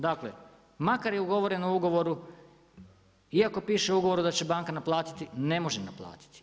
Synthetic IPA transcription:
d̪aklḛ | makaɾjeuɡo̞ʋoɾe̞nuuɡo̞ʋo̞ɾu | iako̞piːʃeuɡo̞ʋo̞ɾud̪at͡ɕe̞baŋkanaplˠaːt̪i̥t̪ine̞mo̞ʒena̰plˠa̰ːt̪i̥t̪i̥

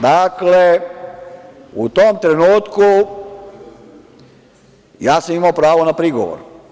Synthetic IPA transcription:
d̪akle | ut̪omt̪ɾenuːt̪ku | jaːsamimaopɾaːʋonapɾiɡoʋo̰ɾu

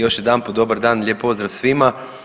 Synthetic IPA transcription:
joʃjɛd̪aːnpod̪oːbəɾd̪aːnlʲjeːpːoːzd̪ɾawsʋiːma

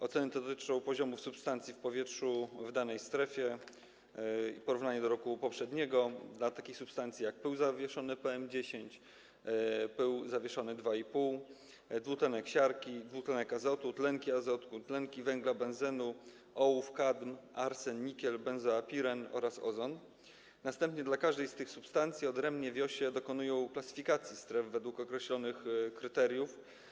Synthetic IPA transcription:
ɔt̪sɛnɘt̪ɛd̪t̪ɘt͡ʂɔ̃w̃pɔʑɔmufsupst̪ant̪sʲjifpɔvʲjɛtʂuvd̪anɛjst̪ɾɛfʲjɛ | ipɔɾuvnaɲɛd̪ɔɾɔkupɔpʂɛd̪ɲɛɡɔd̪lat̪akʲixsupst̪ant̪sʲijak̚pɘwzavʲjɛʂɔnɘpɛɛmd͡ʑeɕeɲt͡ɕ | pɘwzavʲjɛʂɔnɘd̪vaipuw | d̪vut̪ɛnɛkɕaɾkʲid̪vut̪lɛnɛkazɔt̪ut̪lɛŋkʲiazɔt̪kut̪lɛŋkʲivɛŋɡlabɛ̃nzɛnu | ʔɔufkad̪mʔaɾsɛnɲikʲɛlbɛnzɔapʲiɾɛnɔ̰ɾasɔ̰zɔn | nast̪ɛmpɲɛd̪lakaʐd̪ɛjst̪ɘxsupst̪ant̪sʲjiɔd̪ɾɛmbɲɛvʲjɔɕɛd̪ɔkɔnujɔ̃w̃klasɘ̥fʲikat̪sʲjist̪ɾɛvvɛd̪wukɔkɾɛɕlɔnɘxkɾɘt̪ɛɾjuf

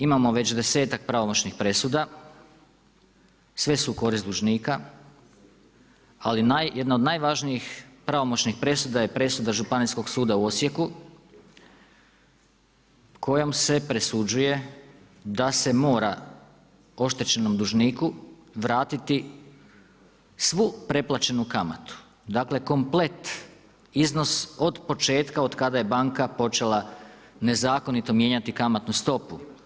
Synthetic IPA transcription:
imamo̞ʋe̞t͡ɕd̪e̞se̞ːt̪ak̚pɾaʋo̞mo̞t͡ɕnixpɾe̞sud̪a | sʋe̞suko̞ɾistd̪uʒniːka | alinajjed̪naod̪najʋaʒnijixpɾaʋo̞mo̞t͡ɕnixpɾe̞sud̪aje̞pɾe̞sud̪aʒupanisko̞ɡsuːd̪auo̞sje̞ku | kʰo̞jo̞mse̞pɾesud͡ʒuje̞ | d̪ase̞mo̞ːɾa | o̞ʃt̪e̞t͡ɕe̞no̞md̪uʒniːku | ʋɾaːt̪it̪i | sʋupɾe̞plˠat͡ʃe̞nukama̰t̪u̥ | d̪akle̞ko̞mple̞t̪ | izno̞so̞d̪po̞t͡ʃe̞ːt̪kao̞d̪kad̪aje̞baŋkapo̞t͡ʃe̞lˠa | ne̞zaːko̞nit̪o̞mje̞ːɲat̪ikamat̪nust̪o̞pu

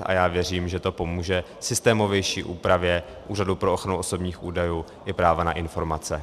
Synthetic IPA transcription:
ʔa̰jaːvjɛriːmʒɛt̪o̞po̞muːʒɛ | sɪst̪ɛːmo̞vjɛjʃiːʔuːpɾavjɛ | ʔuːradupɾooxɾanuʔoso̞bɲiːxʔuːdajuː | ʔɪpɾaːvanaʔɪnfo̞ɾmat͡sɛ

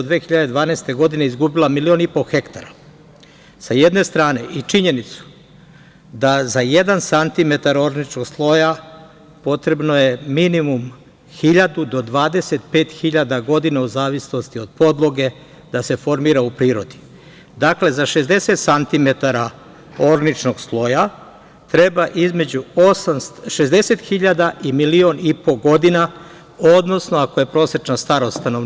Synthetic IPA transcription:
d̪ʋeːxiʎad̪e̞d̪ʋaːneːst̪e̞ɡo̞d̪ine̞izɡubilamilio̞nipo̞xe̞kt̪aɾa | saje̞d̪ne̞st̪ɾaːne̞ʔit͡ʃiɲe̞nit̪su̥ | d̪azaje̞d̪ansant̪ime̞t̪aɾo̞ɾnit͡ʃnoɡslˠo̞ja | po̞t̪ɾe̞bnoje̞minimum | xiʎad̪ud̪o̞d̪ʋaːd̪e̞se̞t̪pe̞ːt̪xiʎad̪aɡo̞d̪inauzaːʋisno̞st̪io̞d̪̥̚po̞d̪lˠo̞ɡe̞ | d̪ase̞fo̞ɾmiːɾaupɾiːɾo̞d̪i̥ | d̪akle̞zaʃe̞zd̪e̞se̞t̪sant̪ime̞t̪aɾa | o̞ɾnit͡ʃno̞ɡslˠo̞ja | t̪ɾe̞baʔizme̞d͡ʑuo̞samst̪ʃe̞zd̪e̞se̞t̪xiʎad̪aʔimilio̞nipo̞ɡo̞d̪ina | od̪no̞sno̞ako̞je̞pɾo̞ːset͡ʃnast̪aɾost̪anoʋ

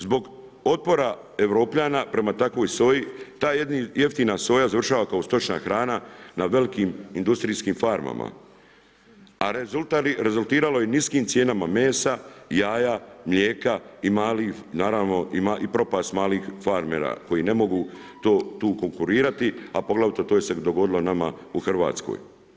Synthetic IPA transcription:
zbo̞ɡ | o̞t̪̚po̞ɾa | e̞ʋɾo̞ːpʎanapɾe̞mat̪akʋo̞jso̞ːjit̪aːjed̪nije̞ft̪iːnaso̞ːjazar̩ʃaːʋakaost̪o̞t͡ʃna̰xɾaːnanaʋe̞likiːmind̪ust̪ɾiːskiːmfaɾma̰ma̰ | aɾezult̪aliɾe̞zult̪iːɾalo̞jeniskiːmt̪sje̞ːnamame̞ːsajaːjamʎʲeːkaimaːlinaːɾaʋno̞ʔimaʔipɾo̞past̪maːliːxfaɾmeːɾa̰ko̞jine̞mo̞ɡuː | t̪oːt̪uːko̞ŋkuɾiːɾat̪iapo̞ɡlˠaʋit̪ot̪oːjese̞d̪o̞ɡo̞d̪ilo̞namauxrʋa̰ːt̪sko̰ːj

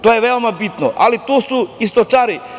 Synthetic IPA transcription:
t̪oːjeʋeomabit̪noʔalit̪uːsuist̪ot͡ʃaɾi

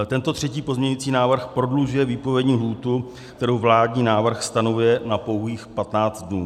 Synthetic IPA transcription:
t̪ɛnt̪o̞t̪r̝̥ɛciːpozmɲɛɲʊjiːt͡siːnaːvr̩xpɾo̞dluʒʊjɛviːpovjɛdɲiːɦluːt̪u | kt̪ɛɾowvlaːdɲiːnaːvr̩xst̪anovʊjɛnapo̞wɦiːxpat̪naːt͡st̪̚dnuː

